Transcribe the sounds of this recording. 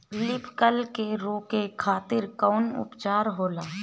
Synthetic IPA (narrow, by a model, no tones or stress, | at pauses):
lɪpkəlkeɾoːkekʰaːt̪ɪɾkɔːnʊ̰pt͡ʃaːɾɦoːlaː